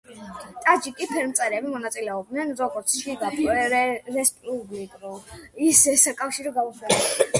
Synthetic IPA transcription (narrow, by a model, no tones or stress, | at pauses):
t̪ʼad͡ʒikʼipʰɛɾmt̪sʼɛɾɛbimɔnat̪sʼilɛɔb̚d̪nɛnzɔɡɔɾt̪sʰʃiɡapʰɾɛspʼublikʼɾuisɛsakʼafʃiɾɔɡauswa